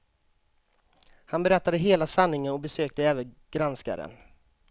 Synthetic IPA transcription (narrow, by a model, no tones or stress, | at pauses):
hanbɛɾɛt̪ːad̪əɦeːlasanːɪŋənɔbɛsøːk̚t̪əɛːvən | ɡ̥ɾanska̰ɾə̰n